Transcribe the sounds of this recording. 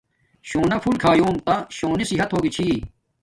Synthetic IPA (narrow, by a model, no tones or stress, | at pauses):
ɕoːnɐfʰulkʰaːjoːmt̪ɐɕoːnisiɦɐt̪ɦoːɡit͡ɕʰiː